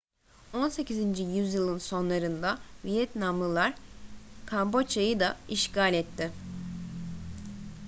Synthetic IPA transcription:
o̞nse̞cizind͡ʒijyzjɯlˠɯnso̞nlˠaɾɯnd̪avijɛt̪namlˠɯlˠaɾ | kʰambo̞t͡ʃʰajɯd̪aiʃkalʲɛt̪ːɪ

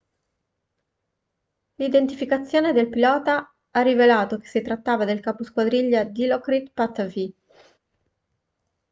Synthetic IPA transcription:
lid̪ent̪ifikat̪sːjoːned̪elpilɔːt̪a | arːivelaːt̪oke̥sːit̪ɾat̪ːaːvad̪elkaposkwad̪ɾiʎːad̪ilɔkɾit̪pat̪ːavi

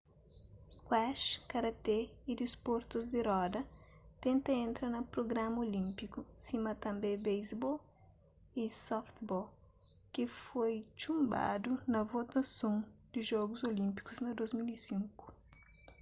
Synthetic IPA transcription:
skwaʃkɐɾɐt̪eid̪ispoɾt̪uzd̪iɾɔd̪ɐt̪ẽnt̪ɐẽnt̪ɾɐnɐpɾoɡɾamɐolĩmpikusimɐt̪ɐ̃mbebejzbɔl | isɔft̪bɔl | kifojt͡ʃũmba̰d̪unɐvot̪ɐsõŋd̪̥iʒɔɡuzolĩmpi̥kuznɐd̪ozmilisĩŋku̥

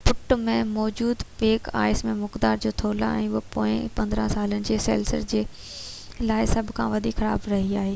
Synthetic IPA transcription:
pʊʈmẽmɔːd͡ʑuːd̪peːka̰ːɪsmẽmʊkd̪aːɾd͡ʑoːt̪ʰoːla̰ɛ̰̃ːʊɦpoːɪ̃pɐ̃nd̪ɾə̃saːlənɪ̆d͡ʑeːsḛːlsə̰ɾd͡ʑeː | laːɪsɐbʱkʰãʋɐd̪ʱiːkxɐɾa̰ːbɾɐɦiaːɦeː

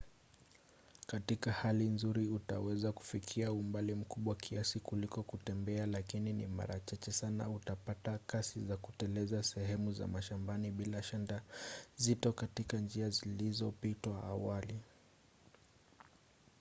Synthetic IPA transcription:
katikahalinzuɾiutawɛzaku̥fikʰiaumbalim̩kuɓwakʰiasikulikɔkutɛmbɛalakininḭma̰ɾat͡ʃat͡ʃɛsana̰utapatakasizakutɛlɛzasɛɦɛmuza̰maʃambaniɓilaʃandazitɔkatikand͡ʒiazilizɔpitwaːwali

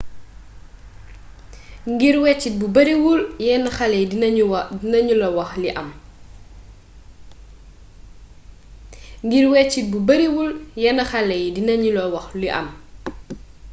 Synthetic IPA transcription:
ŋɡiɾwɛt͡ʃːit̚bubɐɾiwuljɛnɐxɐlɛj | inɐɲulɐwɐxliʔɐm | ŋɡiɾwɛt͡ʃːit̚bubɐɾiwuljɛnɐxɐlɛjdinɐɲulɐwɐxliʔɐ̰m

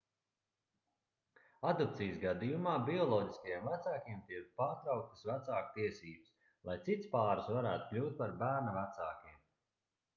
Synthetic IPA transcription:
ad̪ɔpt̪sijsɡad̪ijumaːbʲiɔlˠɔːɟiskajɛmvæt̪saːkiɛmt̪iɛk̚paːɾt̪ɾawk̚t̪ə̥svat̪saːkt̪iɛsiːbəs | lˠajt̪sit̪spaːɾsvaɾæːt̪u̥klʲuːt̪̚paɾbæːɾnavat̪saːkʲiɛm

